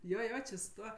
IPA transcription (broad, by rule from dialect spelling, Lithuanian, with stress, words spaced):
ˈjoː ˈjoː t͡ʃʲɪ sʊ ˈtuɔ